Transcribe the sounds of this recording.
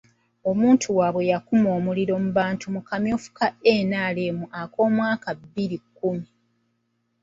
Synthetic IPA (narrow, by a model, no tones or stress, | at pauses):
o̞muːntʰuwaβwe̞jakumo̞ːmuliɾo̞muβaːntʰumukamjo̞ːfu̥kaeːnaːle̞muʔakʰo̞ːmwaːkabːiɾikːumi